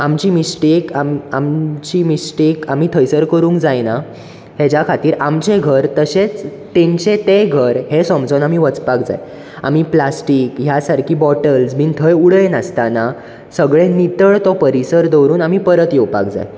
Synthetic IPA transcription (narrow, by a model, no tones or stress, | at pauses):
amt͡ɕiːmisʈekamamt͡ɕiːmisʈekam̤iːt̪ʰəjsəɾkəɾũːŋkd͡zajna | hed͡ʑakʰat̪iːɾamt͡ɕeɡʱəɾt̪əɕet͡s | t̪ẽɲt͡ɕet̪eɡʱəɾɦesɔmt͡sɔnam̤iʋət͡spakd͡za̰j | a̰m̤iplasʈiːkɦjasaɾkʰiːbɔʈəlsm̤iːnt̪ʰəjuɽəjnəst̪ana | səɡɭenit̪əɭt̪ɔpəɾisəɾd̪ɔwɾuːnamipəɾət̪jɔwpa̰kd͡za̰j